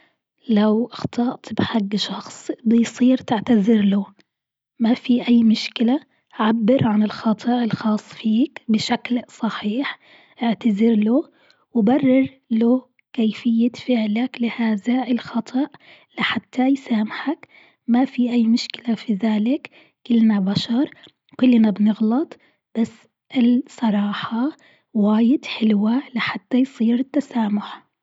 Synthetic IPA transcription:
lawʔɑxt̪ʰˤɑʔt̪bħaɡːʃɑxsˤbɪjsˤiːɾt̪ɪʕt̪azɪɾloː | mafiʔajːmʊʃkɪla | ʕabːɪɾʕanɪlxɑt̪ˤɨʔɪlxɑːsˤːfiːkbɪʃaklsˤɑħiːħ | ʔɪʕt̪azɪɾloː | wɪbɑrˤːɑɾ | loː | kejfɪjːafɪʕlaklɪhaːðaɪlxɑt̪ˤʰɑʔ | lɪħat̪ʰːajsaːmħak | mafiʔajːmʊʃkɪlafiðaːlɪkː | ɪlnabaʃɑɾˤ | kʊlːnabnɪɣlɑt̪ˤ | b̥asː | ʔɪlsˤɑɾˤɑːħɑ | waːjɪd̪ħɪlwalɪħat̪ːajsˤiːɾɪt̪ːasaːmʊħ

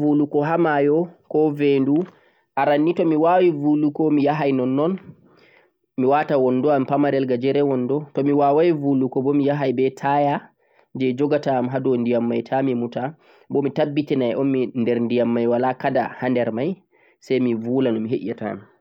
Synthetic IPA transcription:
vulukɔɦamajɔkɔvendu | ʔaɾanːitɔmiwawivulukɔmijaɦajnɔnːɔn | miwatawɔnːdɔampamaɾɛlɡad͡ʒɛɾɛwɔnːdɔtɔmiwawajivulukɔbɔmijaɦajbɛtʰaja | d͡ʒɛd͡ʒɔɡatamɦadɔndijamːajtʰamimuta | bɔmitabːitinajɛʔɔnmindɛɾndijamːajwalakada̰handɛɾmaj | sɛjmivulanɔmiɦeʔata̰m

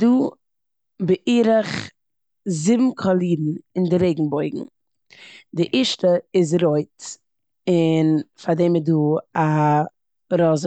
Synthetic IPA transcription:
duː | bəʔiːɾəχ | zɪbm̩kʰɔlˠiːdn̩ɪndɪɾeɪɡŋ̩bɔɪɡŋ̩ | dɪʔiːʃtəɪz̬ɾoɪt | ɪnfadɛːmɪduːa | ɾɔzə

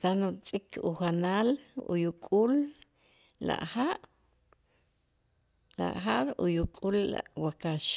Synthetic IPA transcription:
t̪anut͡sʼikʰuxanaːlṵjukʼuːl | la̰ʔhaʔ | la̰ʔxaʔɾṵjukʼuːlːa̰ʔwakaʃ

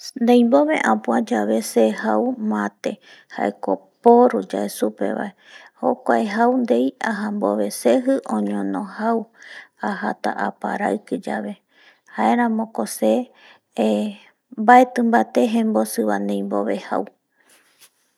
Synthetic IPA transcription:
nd̪ẽjmbo̞βe̞̰ʔãpuad͡ʒaβe̞sehawmãt̪e̞ | ha̰ekopoɾud͡ʒaesupḛβa̰eho̞̰kʷaeɦawnd̪ejaɦamboβe̞seɦɨʔõɲõnõhawahat̪a̰ʔapa̰ɾaɨkɨd͡ʒaβe̞ | hae̞ɾ̃ãmõ̞kose | mbaet̪ɨ̃mbat̪e̞ɦẽmbosɨβand̪ẽjmboβe̞ha̰w

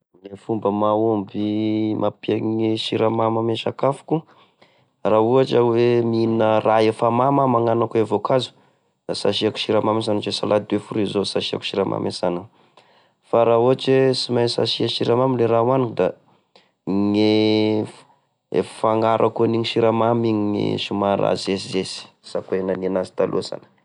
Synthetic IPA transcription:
ŋefumbəmaombimʔapiaŋeʃiɾamaməmeʃakafu̥ku | raɦuaʈ͡ʂəweminəraefamamamaŋanakuevokazu̥ | d̪̥asaʃiaku̥ʃiɾamames̬anut͡ʃesalʔad̪wefuɾizosaʃia̰ku̥ʃiɾa̰mʔa̰mesana | faɾauaʈ͡ʂesimansa̰ʃiaʃiɾamamileɾawanikd̪a | ŋe | ḛffaŋaɾʔakuniɲiʃiɾamamiɲŋḭʃumaɾa̰zesizesi̥ | sakenaninazi̥t̪alʔṵsa̰nə̥

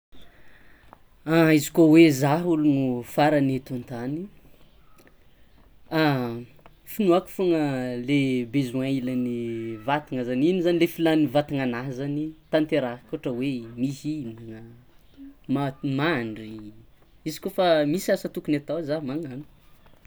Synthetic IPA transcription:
aizi̥kowezaɦulunufaɾanet̪ant̪ani | a | finuaku̥foŋəlebezuãilanivat̪iŋazaninizanilefilanivat̪iŋanaɦzanit̪ant̪eɾakoʈ͡ʂəwemisinaŋə | mamaɳɖ͡ʐi | izi̥kofamisiasət̪ukunat̪azaɦmaŋanu̥

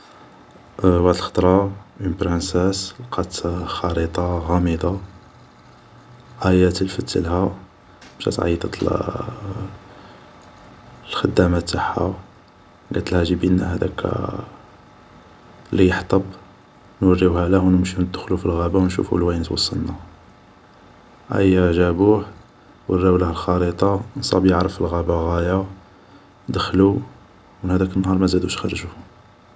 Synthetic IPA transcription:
waʕd̪əlxɑ̥t̪ˤɾˤɑinbɾənsæslqʰɑt̪xɑɾit̪ˤɑɣɑmid̪ˤɑ | ʕæjæt̪lfət̪ːə̰lhæ | mʃæ̰t̪ʕɑ̰jːt̪ɑt̪l | lxəd̪ːæmæt̪ːaħa̰ | ɡæt̪əlhæʒibinːæhæd̪ækʰːæ̰ | lijəħt̪ˤɑb | nwərːihælæhwnəmʃinəd̪ːəxlufilɣæbawnʃṵfṵlwæjnət̪wɑ̰sˤːɑ̰lnæ | ʔæ̰jːæʕʒæbuħ | wərːæwlæhəlxɑɾit̪ˤɑnsˤɑ̰bjəʕɾəfilɣæbaɣæja | d̪əxlu | wənhæd̪ækənːhɑɾˤmæzæd̪uʃxɑrˤʒuh

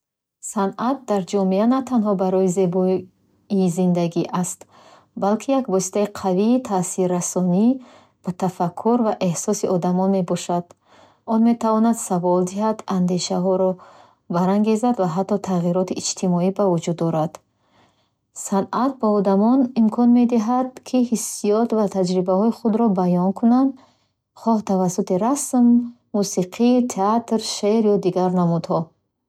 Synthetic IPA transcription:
sanat̪̚d̪aɾd͡ʒɔmianat̪ʰanɦɔbaɾɔize̞bɔ | izind̪aɡiʔast̪ | balkʰijakvɔsi̥t̪ʰaiqʰaviːt̪ʰasiɾːasɔni | b̥at̪ʰafakʰːuɾvaʔe̞hsɔsiʔɔd̪amɔnme̞bɔʃad̪̥ | ɔnme̞t̪avɔnad̪savɔld̪iɦad̪and̪e̞ʃaɦɔɾɔ | baɾaŋɡe̞zad̪vaɦat̪ːɔt̪ʰaʁiɾɔt̪iʔːd͡ʒt̪ʰimɔibavud͡ʒud̪ːɔɾad̪̥ | sanʔat̪̚baɔd̪amɔnimkʰɔnme̞d̪iɦad̪̚kʰihisːijɔt̪vat̪ʰad͡ʒɾibahɔiχud̪ɾɔbajɔnkʰunand̪ | χɔht̪ʰavasut̪iɾasmː | usiqʰit̪ʰeat̪ɾʃeɾjɔd̪iɡaɾnamud̪hɔ

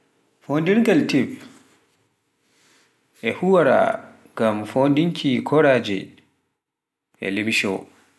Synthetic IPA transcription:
fondiɾɡaltib | ʔɛhuwaɾa̰ | ŋɡamfondiŋkʰikʰɔɾaːd͡ʒɛ̰ | ʔɛ̰limiʃɔ̰

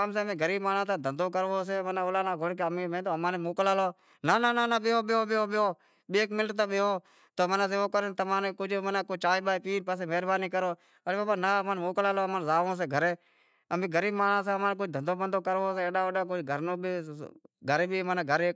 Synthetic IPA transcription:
ams̬eːəmẽːɡəɾiːbmaːnãːsãːd̪ʱənd̪oːkəɾʋoːseːmənaːolaːnaːɡoɽkeəmẽːmẽːt̪oːmãːnemoːklaːloː | nananaːnaɓɪoːɓɪoːɓɪoːɓɪoː | ɓeːkmɪlʈt̪aːɓeːoː | t̪oːmənãːseːʋoːkəɾent̪əmaːnekʊd͡ʒʱmənãːkot͡ʃaːiːɓaːeːpiːnpaːs̬eːmeːɾbaːniːkəɾoː | əeːbaːbaːnaːmaːnːmoːklaːloːmaːnzaːʋõːs̬eːɡʱəɾeː | əmẽːɡəɾiːbmaːnaːs̬ãːəmãːnk̬ʊd͡ʒd̪ʱənd̪oːbənd̪oːkəɾʋoːseːeːɗaːʋəɗaːk̬ʊd͡ʒɡʱəɾnõːbiːɡʱəɾeːbʱiːmaːnaːɡʱəɾeː

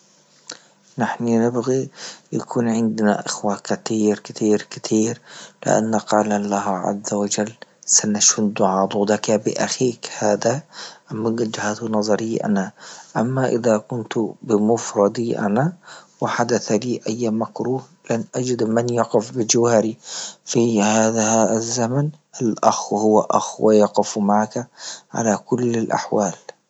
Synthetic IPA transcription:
nɪħninɪbɣijakʰuːnʕɪnd̪na̰ʔɪxwakɪt̪iːɾkɪ̥t̪ʰiːɾkɪt̪ʰiːɾlɪ̰ʔa̰nːaqɑːlalaɦaʕa̰zːawad͡ʒalːsanaʃʊd̪ʊʕɑːd̪ˤuːd̪akabɪʔaxiːkhaːd̪aʔamːaɡd͡ʒɪhaːt̪hunɑzˤɑɾɪjːʔa̰naʔamːaʔɪ̰ðakʊnt̪bɪmʊfɾˤɑd̪iʔa̰nawɪħad̪aθaliːʔajːamakɾuːh | lʔanʔad͡ʒɪd̪manjɑqɪfbɪd͡ʒawaːɾifihaːðazːamanʔalʔaxhʊwaʔa̰xwa̰jɑqɪfmaʕakaʕa̰lakʊlːalʔa̰ħwaːl

